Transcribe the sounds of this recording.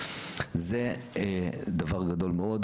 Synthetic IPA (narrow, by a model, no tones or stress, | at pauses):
ze | d̪avaʁɡad̪o̞lmeod̪